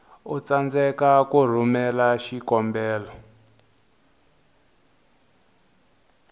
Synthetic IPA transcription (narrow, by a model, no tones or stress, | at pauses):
ut͡sand͡zɛkakur̤umɛlaʃikɔmbɛːlɔ